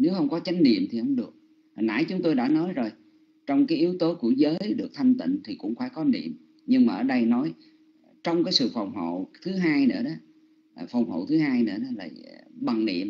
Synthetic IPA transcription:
ne˨˦whə˧wŋ͡mkɔ˨˦t͡ɕa˨˦jŋ̟nḭ˧˨əmt̪ʰi˨˩hə̰˧˥wŋ͡mɗɨ˨˩ək̚ː | na̰ː˧˥jt͡ɕʊ˨˦ŋ͡mt̪o˧jɗa̰ː˧˥nɔ˨˦jzo˨˩j | t͡ɕɔ˧wŋ͡mkaː˨˦jʔi˨˦əwt̪o˨˦ku˧˩əzəː˨˦jɗɨ˨˩ək̚t̪ʰa˧jŋ̟t̪ḭ˧˨ŋt̪ʰi˨˩kʊ̰˧˥ŋ͡mxwaː˧˩kɔ˨˦nḭ˧˨əm | ɲɨ˧ŋmaː˨˩ʔəː˧˩ɗə˧jnɔ˨˦j | t͡ɕɔ˧wŋ͡mkaː˨˦jsɨ̰˧˨fa˨˩wŋ͡mho̰˧˨t̪ʰɨ˨˦ɦaː˧jnɨ̰˧˥əɗɔ˨˦˨ | fɔ˨˩wŋ͡mho̰˧˨t̪ʰɨ˨˦ɦaː˧jnɨ̰˧˥əɗɔ˨˦la̰ː˨˩ɓa˨˩ŋnḭ˧˨əm

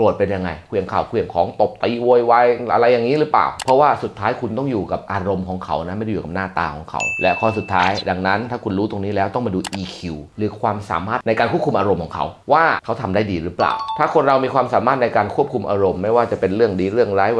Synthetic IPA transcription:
u˨˩ət̪̚pe˧nja˧ŋːa˧jkʰu˧˩˨ə˨˩ŋkʰaː˨˩wkʰu˧˩ə˩ŋkʰɔ̰ː˩˦ŋt̪o˨˩p̚t̪iː˧˩wo˧jwa˧jʔa̰˧ɾa˧jːaː˨˩ŋːiː˦˥ɾɯː˦˥pla̰ː˨˩wpʰɾɔ˦˥waː˥˩su˨˩t̪ʰːaː˦˥jkʰu˧nt̪ɔ˥˩ŋjuː˨˩ka˨˩p̚ʔaː˧ɾo˧mkʰɔː˨˩˦ŋkʰa˨˦wna˦˥ma˥˩jdjuː˨˩ka˨˩p̚naː˥˩t̪a̰ː˧kʰɔ̰ː˩˦ŋkʰa̰˨˦wlɛ˦˥kʰɔː˧˩su˨˩t̪ʰːaː˦˥jda˧ŋna˦˥nt̪ʰaː˥˩kʰu˧nɾuː˦˥t̪o˧ŋniː˦˥lɛː˦˥wt̪ɔ˥˩ŋmaː˧duː˧ʔiː˧kʰi˧wɾɯː˩˦kʰwaː˧msa̰ː˨˦maː˥˩t̪̚na˧jkaː˧nkʰu˥˩p̚ku˧mʔaː˧ɾo˧mkʰɔː˩˦ŋkʰa̰˦˥wwaː˥˩kʰa˦˥wt̪ʰa˧mdaː˥˩jdiː˧ɾɯ˦˥pla̰ː˨˩wt̪ʰaː˥˩kʰo˧nɾa˧wmiː˧kʰwaː˧msaː˩˦maː˥˩t̪̚na˧jkaː˧nkʰu˥˩p̚kʰu˧mʔaː˧ɾo˧mːa˥˩jwaː˥˩t͡ɕa˨˩pe˧nɾɯ˥˩əŋdiː˧ɾɯ˥˩əŋɾaː˦˥j

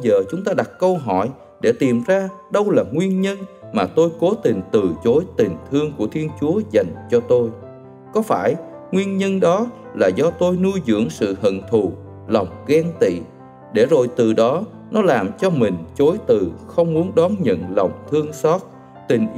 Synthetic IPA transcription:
zəː˨˩t͡ɕʊ˨˦ŋ͡mt̪aː˧ɗa˨˩t̚kə˧wɦɔ̰˧˩˨j | ɗe˧˩t̪i˨˩mzaː˧ | ɗə˧wlaː˨˩ŋwi˧ənɲə˧nmaː˨˩t̪o˧jko˨˦t̪i˨˩ŋ̟t̪ɨ˨˩t͡ɕo˨˦jt̪i˨˩ŋ̟t̪ʰɨ˧əŋku˧˩ət̪ʰi˧ənt͡ɕu˨˦əza˨˩jŋ̟t͡ɕɔ˧t̪o˧j | kɔ˨˦faː˧˩j | ŋwi˧ənɲə˧nɗɔ˨˦ | laː˨˩zɔ˧t̪o˧jnu˧jzɨ̰˧˥əŋsɨ̰˧˨ɦə̰˧˨nt̪ʰu˨˩ | lə˨˩wŋ͡mɣɛ˧ŋt̪ḭ˧˨ | ɗe˧˩zo̰˧˨˩jt̪ɨ˨˩ɗɔ˨˦ | nɔ˨˦laː˨˩mt͡ɕɔ˧mï˨˩ŋ̟t͡ɕo˨˦jt̪ɨ˨˩xə˧wŋ͡mmu˨˦ənɗɔ˨˦nɲə̰˧˨nlə˨˩wŋ͡mt̪ʰɨ˧əŋsɔ˦˥t̚ | t̪ï˨˩ŋ̟ʔ

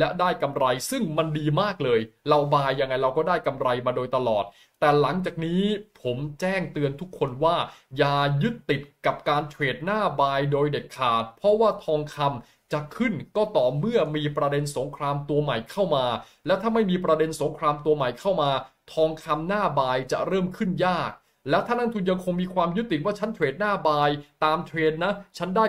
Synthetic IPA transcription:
lɛ˦˥daː˥˩jka˧mɾa˧jsɯ˥˩ŋma˧ndiː˧maː˥˩k̚lɤː˧jɾa˧wbaː˧jːa˧ŋːa˧jɾa˧wkɔː˥˩daː˥˩jka˧mɾa˧jmaː˧doː˧jt̪a˧lɔː˨˩t̪̚ːɛː˨˩la˩˦ŋt͡ɕaː˨˩k̚niː˦˥pʰo˩˦mt͡ɕɛː˥˩ŋt̪ɯ˧ənt̪ʰu˦˥kʰːo˧nwaː˥˩jaː˧jɯ˦˥t̪ːi˨˩t̪̚ka˨˩p̚kaː˧nt͡ɕʰweː˨˩t̪̚naː˥˩baː˧jdoː˧jde˨˩kʰːaː˨˩t̪̚pʰɾɔ˦˥waː˥˩t̪ʰɔː˧ŋkʰa˧m | t͡ɕa˨˩kʰɯ˥˩nkɔː˥˩t̪ɔː˨˩mɯ˥˩ɐmiː˧pɾa˧de˧nso˩˦ŋkʰɾaː˧mt̪u˧ɐma˨˩jkʰa˥˩wmaː˧ | lɛ˦˥wt̪ʰaː˥˩ma˥˩jmiː˧pɾa˧de˧nso˩˦ŋkʰɾaː˧mt̪u˧ɐma˨˩jkʰa˥˩wmaː˧t̪ʰɔː˧ŋkʰa˧mnaː˥˩baː˧jt͡ɕa̰˨˩ɾɤː˥˩mkʰɯ˥˩njaː˥˩k̚ | lɛ˦˥wt̪ʰaː˥˩na˥˩nt̪ʰu˧nja˧ŋkʰo˧ŋmiː˧kʰwaː˧mjɯ˦˥t̪ːi˨˩t̪̚waː˥˩t͡ɕʰa˦˥nt̪ʰweː˨˩t̪̚naː˥˩baː˧jt̪aː˧mt̪ʰweː˧t̪̚na˦˥t͡ɕʰa˦˥ndaː˥˩

